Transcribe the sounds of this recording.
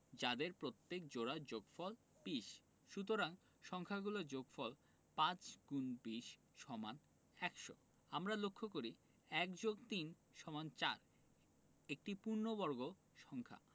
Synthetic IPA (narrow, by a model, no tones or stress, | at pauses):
d͡ʑad̪eɾpɾot̪ːek̚d͡ʑoɾad͡ʑoɡfɔl | piʃ | ʃut̪oɾaŋ | ʃɔŋkʰaɡulod͡ʑoɡfɔl | pãt͡ɕɡunbiʃ | ʃɔman | ɛkʃo̰ | amɾalokʰːokoɾi | ɛkd͡ʑoɡt̪in | ʃɔmant͡ɕa̰ɾ | ek̚ʈipuɾnobɔɾɡo | ʃɔŋkʰa̰